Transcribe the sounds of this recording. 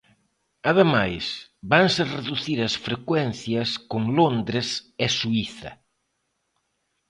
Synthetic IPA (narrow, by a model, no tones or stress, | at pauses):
ɐðemajsbaŋsɪreðuθiɾɐsfɾekwɛnθjɐskoŋlond̪ɾesesuiθɐ̰